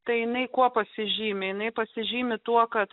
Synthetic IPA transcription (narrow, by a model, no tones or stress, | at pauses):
t̪ɐɪjɪnɐɪkuɔpɐsʲɪʒʲiːmʲɪjɪnɐɪpɐsʲɪʒʲiːmʲɪt̪uɔkɐt̪